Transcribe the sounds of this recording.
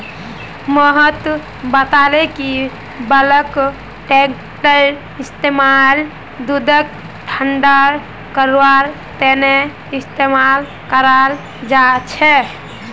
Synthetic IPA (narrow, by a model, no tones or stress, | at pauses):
məɦət̪ | bət̪aleki | bələk | ʈek | ʈəl | ist̪emal | d̪ud̪ək̚ | ʈʰəɳɖəɾ | kəɾwaɾ | t̪ene | ist̪emal | kəɾal | d͡ʒat͡ʃʰɛ